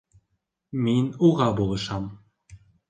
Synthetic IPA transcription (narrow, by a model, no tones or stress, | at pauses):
minuʁɑbolˠɤ̆ʃɑm